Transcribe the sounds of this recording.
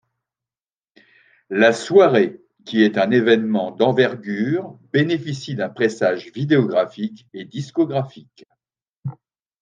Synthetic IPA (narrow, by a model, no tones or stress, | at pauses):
laswaʁe | kʲiɛt̪ɛ̃nevɛnmɑ̃d̪ɑ̃vɛʁɡʲyʁbenefisid̪ɛ̃pχesaʒvid̪eɔɡʁafiked̪iskɔɡʁafik